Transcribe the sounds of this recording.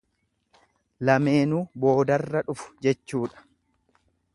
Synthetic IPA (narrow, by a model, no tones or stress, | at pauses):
lɐme̞ːnuːbo̞ːd̪ɐrːɐᶑʊfʊ̥d͡ʒɛt͡ʃːuːᶑɐ̥